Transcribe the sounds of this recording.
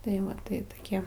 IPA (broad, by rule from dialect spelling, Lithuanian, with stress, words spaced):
tɐɪ ˈʋɐ tɐɪ toːˈkʲiɛ